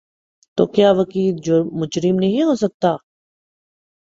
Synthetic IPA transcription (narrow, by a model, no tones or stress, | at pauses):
t̪o̰ːkjaːʋɐkiːld͡ʒoːmʊd͡ʒɾɪmnɐɦĩɦoːsɐk̚t̪aː